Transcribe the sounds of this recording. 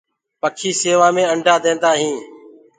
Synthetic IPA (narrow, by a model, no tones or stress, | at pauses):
pəkʰiːseːʋãːmẽːəɳɖʱaːd̪ẽːnd̪aːɦĩː